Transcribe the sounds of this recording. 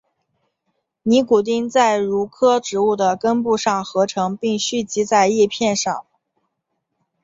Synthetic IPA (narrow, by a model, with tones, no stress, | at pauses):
ni˧˥ku˨˩t̪̬i˥˧ŋt͡sa˥˩ɪɻu˧˥kʰɤ˥ʈ͡ʂɻ̩˧˥u˥˩d̪ə˩kə˥npu˥˧ʂɑ˥˩ŋxɤ˧˥ʈ͡ʂʰɤ˧˥ŋpi˥˩ŋɕy˥˩t͡ɕi˧˥t͡sa˥˧ɪi˥˧pʰjɛ˥˧nʂɑ˥˩ŋ